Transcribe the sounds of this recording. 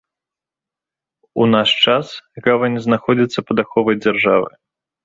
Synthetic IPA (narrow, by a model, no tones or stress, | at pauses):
unaʂt͡ʂasɣavɐnʲɛznaxɔd͡zʲit̪sːɐpɐd̪axɔvɐjd͡zʲarʐavɨ̰j